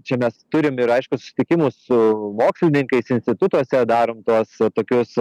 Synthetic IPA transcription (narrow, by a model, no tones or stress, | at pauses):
t͡ʃʲɛmʲɛst̪ʊɾʲɪmɪɾɐɪʃkʊsʊ̥sʲɪ̥t̪ʲɪkʲɪmʊssʊmoːksʲlʲɪnʲɪŋkɐɪsɪnʲsʲt̪ʲɪt̪ʊt̪uɔsʲɛd̪ɑːɾoːmt̪uɔst̪oːkʲʊs